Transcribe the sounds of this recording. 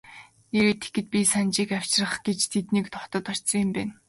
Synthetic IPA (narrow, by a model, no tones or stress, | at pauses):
neɾeːt̪ʰe̥kɘ̆t̪̚pʲisant͡ɕiːkaw̥t͡ɕrə̆χɡ̥et͡ɕt̪ʰet̪niːkt̪ʰɔt̪ɞ̆t̪ɔrt͡ɕsɞ̆ŋɪ̆mpæːn